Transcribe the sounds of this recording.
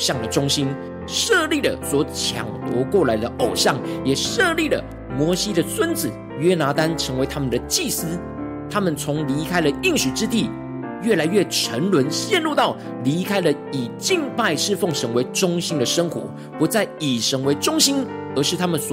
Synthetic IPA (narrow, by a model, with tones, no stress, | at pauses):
ɕjɑ˥˩ŋd̪ə˩ʈ͡ʂʊ˥ŋɕi˥n | ʂɤ˥˧li˥˩də˨˩swɔ˧˥t͡ɕʰjɑ̰˨˩ŋt̪wɔ̰˧˥kwɔ˥˩la˧˥ɪd̪ə˧ʔo˨˩ʊɕjɑ˥˩ŋjɛ˨˩ʂɤ˥˧li˥˩lə̰˩ | mwɔ˧˥ɕi˥d̪ə˨swə˥nd͡zɹ̩˨˩˦ | ɥɛ˥na˧˥t̪a˦nʈ͡ʂʰɤ˧˥ŋwe˧˥ɪt̪ʰa˥mə˨nd̪ə˩t͡ɕi˥˩sɹ̩˥ | t̪ʰa˥mə˨nt͡sʰʊ˧˥ŋli˧˥kʰa˥ɪlə˨i˥˩ŋɕu˨˩ʈ͡ʂɻ̩˥t̪̬i˥˩ | ɥɛ˥˩la˧˥ɪɥɛ˥˩ʈ͡ʂʰə˧˥nlwə˧˦˥nɕjɛ˥˧nɻu˥˧t̪ɑ˥˩ʊ | li˧˥kʰa˥ɪlə˨ | i˨˩t͡ɕi˥˧ŋpa˥˧ɪʂɻ̩˥˧fo˥˩ŋʂʰə˧˥ŋwe˧˥ɪʈ͡ʂʊ˥ŋɕi˥nd̪ə˨ʂə˥ŋxwɔ̰˧˥ | pu˧˥t͡sa˥˩ɪi˨˩ʂʰə˧˥ŋwe˧˥ɪʈ͡ʂʊ˥ŋɕi˥n | ə˞˧˥ʂɻ̩˥˩t̪ʰa˥mə˨nswɔ˨